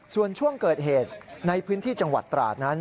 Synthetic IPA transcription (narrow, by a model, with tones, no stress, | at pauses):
su˨˩ənt͡ɕʰu˥˩əŋkɤː˨˩t̪̚ɦeː˨˩t̪̚na˧jpʰɯː˦˥nt̪ʰiː˥˩t͡ɕa˧ŋwa̰˨˩t̪ːɾa̰ː˨˩t̪̚na˦˥n